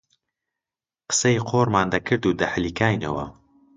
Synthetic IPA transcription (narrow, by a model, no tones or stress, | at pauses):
qə̥sɐjqʰoːɾmaːnd̪ɐkʰɨɾd̪uːd̪ɐħlikʰaːjnɐwɐ̰